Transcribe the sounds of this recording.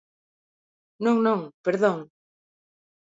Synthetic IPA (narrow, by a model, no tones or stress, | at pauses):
nõŋnõŋpeɾðõŋ